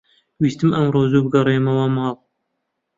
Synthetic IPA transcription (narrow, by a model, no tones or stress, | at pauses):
wist̪ɨmɐmɾoːzubɨɡɐɾeːmɐwamɑːlˠ